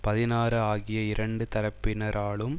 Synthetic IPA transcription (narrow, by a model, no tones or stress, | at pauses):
pɐðɪnaːɾɯaːɣɪjɐɪɾɐɳɖɯt̪ɐɾɐpːɪnɐɾʔaːɭɯm